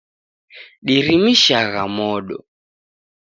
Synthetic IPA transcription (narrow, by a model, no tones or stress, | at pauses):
ɗiɾimiʃaɣamɔɗɔ̰